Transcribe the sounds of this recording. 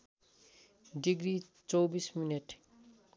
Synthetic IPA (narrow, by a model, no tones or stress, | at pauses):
ɖiɡɾit͡sowbismineʈ